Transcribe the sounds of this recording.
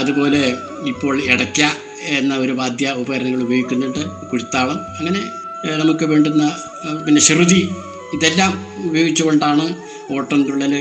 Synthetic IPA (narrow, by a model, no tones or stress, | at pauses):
ɐðubo̞ːle̞ | ipːo̞ːɭeɽɐkʲːa | enːɐo̞ɾuʋaːd̪jɐubɐɣɐɾɐnɐŋːɐɭubɐjoɡikʲːunːiɳɖɨ | kuɽit̪ːaːʋɐmɐŋːɐne̞ | nɐmukːɨʋeːɳɖunːɐ | pinːe̞ɕiruði | iðe̞lːaːmubɐjo̞ːɡit͡ɕːuɣo̞ɳɖaːɳɨ | o̞ːʈːɐnduɭːɐlɨ